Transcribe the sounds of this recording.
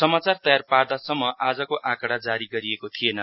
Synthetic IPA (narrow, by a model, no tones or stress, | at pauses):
sʌmat͡sart̪ʌjarpard̪asʌmːʌʔad͡zʌkoʔakʌɽad͡zaɾiɡʌɾiekot̪ʰienʌ